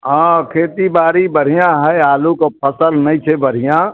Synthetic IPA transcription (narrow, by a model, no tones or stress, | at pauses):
ɦãːkʰeːt̪ibaːɾibəɽ̤ijãɦɛaːlukopʰəsəlnɐĩt͡ʃʰebəɾ̤ijã